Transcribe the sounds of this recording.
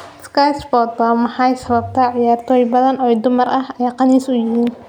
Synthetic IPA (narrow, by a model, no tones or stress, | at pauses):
skajsbɔːd̪̚bamɑħɑjsɐβɐb̚t̪ʰɐʕɪjaːrt̪ʰɔːjbɐðɐnɔːɛjd̪ʊmɐrɐhɐjaːqɑniːsʊjɪɦiːn